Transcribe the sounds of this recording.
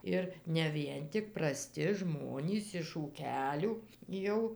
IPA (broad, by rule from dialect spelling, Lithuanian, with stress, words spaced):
ˈɪr nʲɛ ˈʋʲiɛn tʲɪk prɐˈsʲtʲɪ ˈʒmoːnʲiːs ɪʃ uːˈkʲæːlʲuː ˈjɛʊ